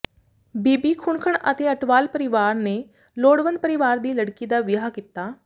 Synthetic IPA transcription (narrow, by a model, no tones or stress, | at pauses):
biːbiːkʰʊɳkʰəɳə̰t̪eːəʈʋaːlpəɾɪʋaːɾneː | loːɽʋənd̪̚pəɾɪʋaːɾd̪iːləɽkiːd̪aːʋɪaːkiːt̪aː